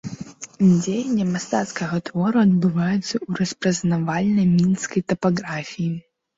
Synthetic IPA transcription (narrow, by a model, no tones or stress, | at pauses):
d͡zʲejɛnʲːɐmast̪at̪skɐɣɐt̪vɔɾuɐd̪̚bɨvajut̪sːɐuɾɐspɾɐznavalʲnɐjmʲinskɐjt̪ɐpaɣɾafʲiji